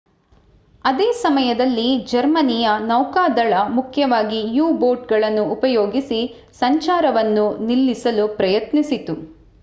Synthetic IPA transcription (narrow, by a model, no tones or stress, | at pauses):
ɐd̪eːsɐmɐjɐd̪ɐlːid͡ʒɐɾmɐnijɐnɐwkaːd̪ɐɭɐmukʰjɐʋaːɡijuːbo̞ːɾʈ̚ɡɐɭɐnːuːpɐjoːɡisi | sɐɲt͡ʃaːɾɐʋɐnːunilːisɐlupɾɐjɐt̪nisit̪u